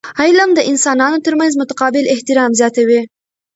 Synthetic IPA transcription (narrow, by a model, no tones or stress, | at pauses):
ajlamd̪əʔɪnsɑnɑnot̪əɾmanzmʊt̪aqɑbɪlɪht̪ɪɾɑmzjɑt̪awi